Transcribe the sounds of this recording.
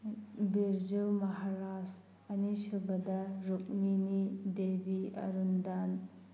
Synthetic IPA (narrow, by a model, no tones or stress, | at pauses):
biɾzulmɐɦaɾas | ɐnisubɐdɐɾuk̚minidebiɐ̰ɾundan